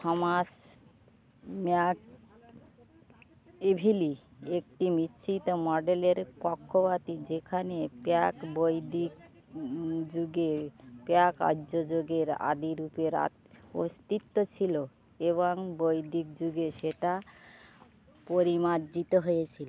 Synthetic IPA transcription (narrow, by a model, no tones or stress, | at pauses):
ɔmas | mak | ebʱiliek̚ʈimitːɕʰit̪omɔɖeleɾpɔkʰːopat̪id͡ʑekʰanepakbojd̪ik | d͡ʑuɡepeaka̰d͡ʑod͡ʑoɡeɾa̰d̪iɾupeɾa̰ | ost̪it̪ːot͡ɕʰilo | eβoŋbojd̪ik̚d͡ʑuɡeʃeʈa | poɾimad͡ʑit̪oɦojet͡ɕʰilo